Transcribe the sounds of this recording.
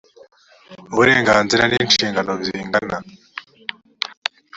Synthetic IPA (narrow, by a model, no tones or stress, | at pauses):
uβuɾe̞ːŋɡaːnziɾaniːnʃiːŋɡano̞βiːŋɡana